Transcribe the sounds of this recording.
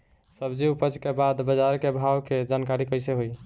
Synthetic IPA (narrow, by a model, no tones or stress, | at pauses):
səbd͡ʒiupət͡ʃkebad̪bəd͡ʒaɾkebʱawked͡ʒankaɾikəjseɦoj